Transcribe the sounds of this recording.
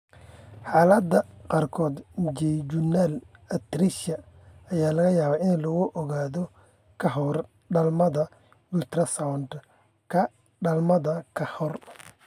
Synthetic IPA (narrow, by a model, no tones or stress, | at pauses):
ħaːlɐd̪ːɐqɑːrkʰɔːd̪d͡ʒɛjd͡ʒunɛlɐt̪ɾiʃɐ | ɐjaːlɐɣɐjaːβaːʔɪnlɔɣʊʔɔɣaːðɔ | kʰɐɦɔr | ɖɐlmɐðɐ | bʊlt̪ɾɐsawnd̪ | kʰɐ | ɖɐlmɐðɐkʰɐhɔr